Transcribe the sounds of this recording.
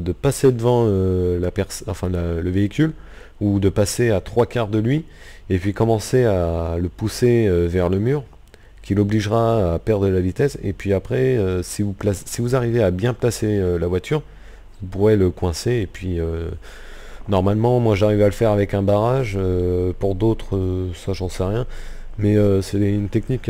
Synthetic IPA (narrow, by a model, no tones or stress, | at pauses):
d̪əpased̪əvɑ̃ølapɛʁsɑ̃fɛ̃laləveikʲyl | ud̪əpaseat̪χwakaʁd̪əlɥi | epɥikɔmɑ̃sealəpuseøvɛʁləmyːʁ | kʲilɔbliʒʁaːpɛʁd̪ʁəlavit̪ɛsḛpɥiapχɛøsivuplassivuzaʁiveabjɛ̃plaseølavwat̪ʰyʁ | vupuʁɛləkwɛ̃seːpɥiø | nɔʁmalmɑ̃mwaʒaʁivaləfɛʁavɛkɛ̃baʁaʒøpuʁd̪ot̪χøsaʒɑ̃sɛʁjɛ̃mɛøsɛɛynt̪ɛknikʲː